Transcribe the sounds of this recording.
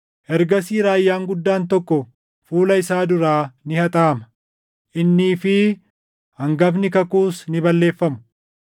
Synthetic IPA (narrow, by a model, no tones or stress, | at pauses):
ʔɛɾɡɐsiːɾaːjːaːŋɡʊd̪ːaːnt̪ɔkːɔ | fuːlɐɪsaːd̪ʊɾaːnɪhɐt̪ʼaːmɐ̥ | ʔɪnːiːfɪ | hɐŋɡɐfnɪkɐkuːsnɪbɐlːe̞ːfːɐmʊ̥